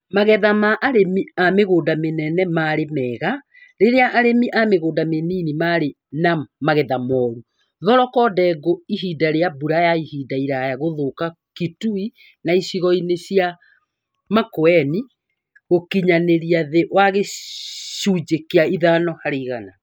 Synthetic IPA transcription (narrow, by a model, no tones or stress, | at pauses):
maɣɛðamaʔaɾemiameɣoːdamenɛnɛmaɾemɛːɣa | ɾeɾeaʔːɾemiʔameɣoːndameninimaɾe | namaɣɛðamɔːɾu | ðɔɾɔkɔdɛɡoiɦidaɾeabuɾajaihiːdaiɾajaɣoðoka | kitui | naisiɣɔinesia | makoɛni | ɣokiɲaneɾiaðeʔwaɣe | ʃuːd͡ʒekeaiðaːnɔhaɾeiɣana